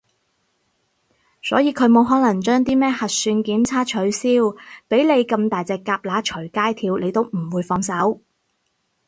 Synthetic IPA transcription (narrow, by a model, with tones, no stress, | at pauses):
sɔ̰ː˨˥jiː˧kʰɵ˨˧ɥmo˨˧wɦɔː˨˥lɐ˨˩ŋt͡ʃœː˥ŋt̪̬iː˥mɛː˥hɐ˨t̚syː˧nkiː˨˥mt͡sʰaː˥t͡ʃʰɵ˨˥ɥsiː˥wpe˨˥jle˨˧jkɐ˧mt̪aː˨jt͡sɛː˧kːaː˧p̚laː˨˥t͡ʃʰɵ˨˩ɥkaː˥jt̪ʰiː˧wle˨˧jt̪o˥wm̩˨˩wuː˨˧jfɔː˧ŋsɐ˨˥w